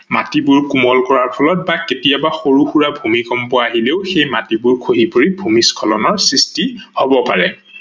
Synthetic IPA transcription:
matibʊɹkumɔlkɔɹaɹpʰɔlɔt̚baketijabaxoɹuxuɹabʱumikɔmpɔaːɦileʊxejmatibʊɹkʰoɦipoɹibʱumiskʰɔlɔnɔɹsɹistihobɔpaɹɛ

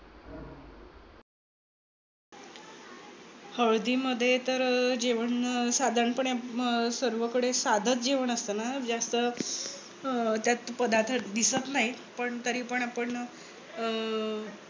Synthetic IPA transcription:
həɭd̪iːməd̪ʱːjet̪əɾd͡ʑeʋəɳsad̪ʱaɳpəɳjasəɾʋəkəɽesad̪ʱət͡sd͡ʑeʋəɳəst̪ənad͡zast̪ə | t̪jat̪pəd̪ʱat̪ʰəd̪isət̪naɦi | pəɳt̪əɾiːpəɳapəɳ

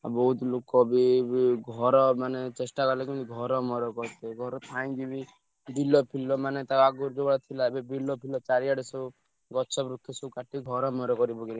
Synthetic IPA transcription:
a̰bɔɦut̪lokɔbiɡʱɔɾɔmanet͡ʃesʈakɔlekimt̪iɡʱɔɾɔmɔɾɔkɔɾt̪eɡʱɔɾɔt̪ʰaj̃ɡibi | bilɔpʰilɔmanet̪aaɡuɾd͡ʒobaɽɔt̪ʰilabebilɔpʰilɔt͡ʃaɾiaɽesɔ | ɡɔsʰɔbɾukʰːesɔkaʈiɡʱɔɾɔmɔɾɔkɔɾibɔkeli

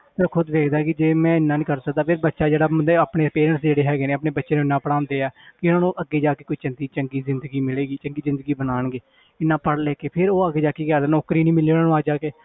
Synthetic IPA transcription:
p̪əɾkʰʊd̪ʋeːkʰd̪aːkɪd͡ʒeːmɛ̃ːɪnːãːnĩːkəɾsək̚d̪aːpʰɪɾbətːʃaːd͡ʒeːɽaːd̪eapɳeːpeːɾə̃ɳʈsd͡ʒeːɽeːɦɛːɡeːneːəpɳeːbətːʃeːnũːɪnːãːpəɽaːʊ̃nd̪eːɛːkɪʊnãːnũːʔəɡːeːd͡ʒaːkeːkʊiːt͡ʃəŋd̪iːt͡ʃəŋɡiːzɪnd̪əɡiːmɪleːɡiːt͡ʃəŋɡiːzɪ̃nd̪əɡiːbənaːɳɡeː | ɪnːãːpəɽleːkeːpʰɪɾoːəɡeːd͡ʒaːkeːkaːd̪enɔːkɾiːnĩːmɪliːnãːnũaːd͡ʒaːkeː

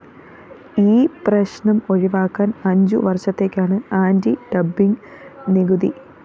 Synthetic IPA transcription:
iːprɐɕɳɐmo̞ɻiʋaːkːaːnɐɲd͡ʑuʋɐrɕɐt̪ːe̞ːkʲːaːɳɨaːndiɖɐbːiŋ | niɡuði

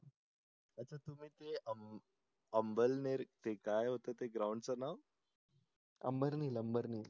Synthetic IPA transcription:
ətːt͡ɕʰat̪um̤iːt̪eəm | əmbəlneɾt̪ekajɦot̪ət̪eɡɾawɳɖt͡sənaw | ə̰mbəɾniːləmbəɾnil

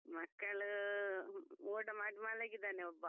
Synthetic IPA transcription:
mɐkːɐɭ | oːʈɐmaːʈimaːɽlaːɡid̪aːneɔbːɐ

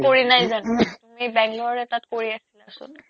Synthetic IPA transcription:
koɹinajzantumibɛŋɡlɔaɹɛtatkoɹiasilasʊ̰n

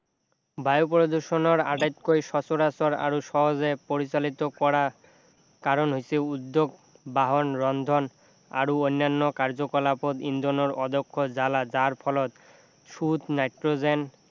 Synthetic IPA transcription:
bajopɾod̪uɾʃonoɾaʈajt̪kojʃɔt͡ɕoɾasoɾa̰ɾoʃɔɦod͡ʑepoɾit͡ɕalit̪okɔɾa | kaɾonɦiseud̪ːoɡ | baɦonɾɔnd̪ʱon | a̰ɾoojnːanːokaɾd͡ʑokolapod̪ind̪onoɾɔd̪okʰːod͡ʑalad͡ʑaɾpʰɔlot̪ | ʃut̪najʈɾod͡ʑen

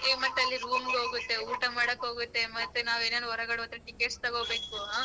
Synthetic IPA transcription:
eːmɐʈːɐlːiɾuːmɡeɦoːɡut̪ːe̞uːʈɐmaːɽɐkːɦo̞ːɡut̪ːe̞mɐt̪ːunaːʋeːnenɦɔɾɐɡɐɽɔt̪ɐɾɐʈikeʈst̪ɐɡobe̞ːkuɦaː

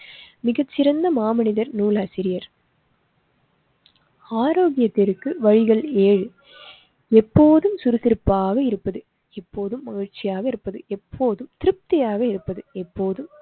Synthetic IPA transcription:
mɪɣɐt͡ʃːɪɾɐnd̪ɐmaːmɐnɪðɐɾnuːlaːsɪɾɪjɐɾ | aːɾoːɣɪjɐt̪ːɪɾɯkːɯʋɐɻɪɣɐɭeːɻ | ɛpːoːðɯmsʊɾɯsɪɾɯpːaːɣɐɪɾɯpːɐðɯ | ɛpːoːðɯmːɐɣɪɻt͡ʃːɪjaːɣɐɪɾɯpːɐðɯɛpʰːoːðɯmt̪ɪɾɯp̚t̪ɪjaːɣɐɪɾɯpːɐðɯɛpːoːðɯm

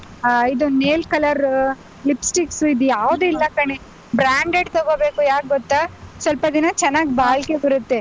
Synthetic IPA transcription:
id̪uneːlkɐlɐɾ | lipsʈiksuid̪ujaːʋd̪uilːɐkɐɳe | bɾaːɳɖeɖt̪ɐɡoːbe̞ːkujaːk̚ɡɔt̪ːasʋɐlpɐd̪inɐt͡ʃɛnːaːɡibaːlke̞bɐɾut̪ːe̞

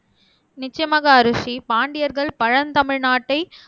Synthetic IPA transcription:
nɪt͡ʃːɐjɐmɐɣɐːɾɯʂipaːɳɖɪjɐɾɣɐɭpɐɻɐnt̪ɐmɪɻnaːʈːɐɪ

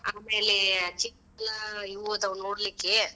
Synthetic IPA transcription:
aːmeːlet͡ʃikː | lɐiʋod̪ɐʋnoːɽlikːe

